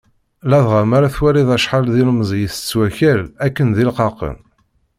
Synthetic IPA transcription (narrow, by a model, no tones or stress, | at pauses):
læðʁamaɾaθwæɾiðæʃħɑlðiləmzˤjəθə̥t͡sːwæçælækːənðilqɑqə̰n